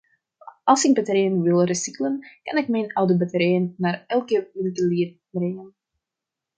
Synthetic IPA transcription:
ɑlˠsɪk̚batəɾɛjənʋɪlˠrəsiklənkɑnɪkmɛjnɑwdəbatəɾɛjənːaːrɛlˠkəʋɪntəliːr | brɛŋən

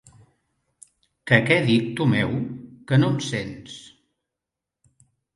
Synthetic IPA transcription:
kəkɛðik̚t̪umɛwkənomsens

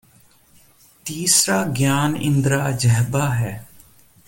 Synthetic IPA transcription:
t̪iːsɾaːɡjaːnɪ̰̃nd̪ɾaːd͡ʒɛɦbaːɦɛː

